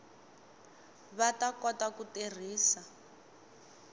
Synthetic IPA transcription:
βatakɔtakuter̤iːsa

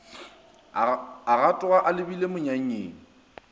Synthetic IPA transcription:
aɣatʼʊaʔalɪbilemʊɲaŋ̩eːŋ̩

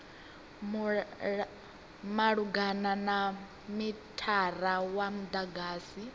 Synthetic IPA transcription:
maɺuɡanana | mitʰaɾawamud̪aɡaːsi

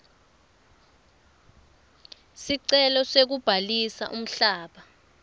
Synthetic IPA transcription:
siǀɛlɔsek̬ub̥ʱalisa̰ʔum̩ɬaːɓa

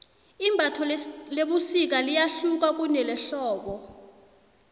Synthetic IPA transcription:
imbʱatʰɔleɓusik̬alijaɬuk̬ak̬unɛlɛɬɔːɓɔ

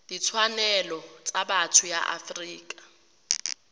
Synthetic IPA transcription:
d̥it͡sʰwanɛlɔt͡sʼabatʰʊja̰ʔa̰friːkʼḁ

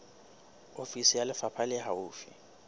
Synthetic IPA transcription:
ofisijalɪfapʰalɛɦauːfḭ

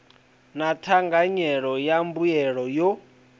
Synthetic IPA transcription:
natʰaŋɡaɲɛɺɔjambujɛɺɔjɔ

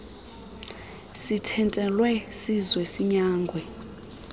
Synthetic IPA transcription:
sitʰɛntʼɛlwɛsizwɛsiɲaːŋɡʱwɛ

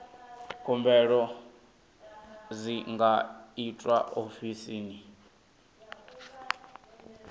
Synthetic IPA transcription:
kʰumbɛɺɔ | ziŋɡaitʼwa̰ʔofisiːni

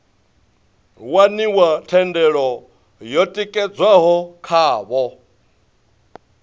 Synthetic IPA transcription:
waniwatʰɛndɛɺɔ | jɔtʼikʼɛd͡zwaɦɔkʰaːβɔ

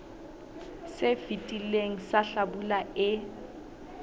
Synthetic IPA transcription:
sefitʼileŋ̩saɬabulaɪ

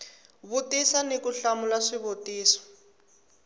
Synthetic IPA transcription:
βutisanekuɬamulaʂiβotiːsɔ̥

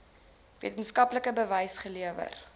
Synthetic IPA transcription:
viətənskɐpləkəbəvəjsχəliəvə̰r

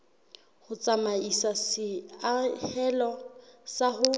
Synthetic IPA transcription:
hʊt͡sʼamaisasɪahɛlɔsahʊ

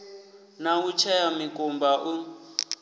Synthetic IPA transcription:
naut͡ʃʰɛjamikʼumbaʔu

